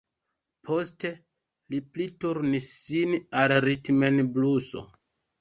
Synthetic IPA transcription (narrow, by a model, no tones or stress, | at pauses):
pʰo̞ste | liplituɾniːinalɾitmenbluso̰